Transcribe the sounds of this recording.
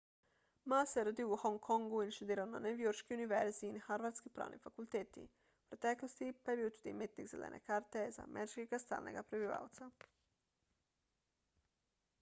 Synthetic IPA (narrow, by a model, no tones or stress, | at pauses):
maseɾod̪iuhoŋkʰoŋɡuinʃt̪ud̪iːɾananeʋijoɾʃkiuniʋeɾzinaxaɾʋaɾt̪skipɾa̰ːʋnʔḭfakulˠt̪eːt̪ḭ | pɾet̪eklost̪ipajebiːwt̪ud̪imit̪niɡzelḛnʔḛkaːɾt̪eza̰ːmʔeɾit͡ʃkeɡast̪a̰ːlnḛɡapɾebiʋa̰wt̪sa